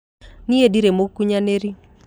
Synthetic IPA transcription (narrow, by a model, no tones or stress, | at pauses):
niediɾemokːuɲaneɾi